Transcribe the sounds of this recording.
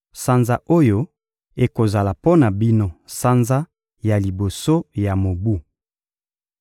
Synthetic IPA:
sa˦nza˦ʔo˦jo˦ | e˨ko˨za˨la˨po˦na˨bi˦no˦sa˦nza˦ | ja˨li˨bo˨so˦ja˨mo˨bu˦

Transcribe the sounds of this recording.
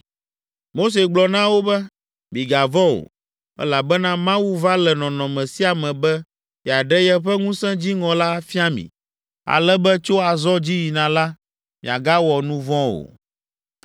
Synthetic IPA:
mo˦s̬e˨ɡ͡blɔ˨nã˦wo˦bɛ˦ | mĩ˨ɡa˨vɔ̃˦o̰˨ | ɛ̰˦la˨bɛ˦nã˦mã˦wu˦va˦lɛ˨nɔ̃˨nɔ̃˨mɛ̃˨si˦a˨mɛ̃˨bɛ˦ | ɛ˨a˨ɖɛ˦jɛ˦ɸɛ˦ŋũ˦sɛ̃˦d͡ʑi˦ŋɔ̃˨la˦fi˦a˦mḭ̃˨ | a̰˨lɛ˦bɛ˦t͡ʃo˦a˨zɔ˦d͡ʑi˦ji˨nã˨la˦ | mĩ˨a̰˨ɡa˦wɔ˨nũ˦vɔ̃˦o̰˨

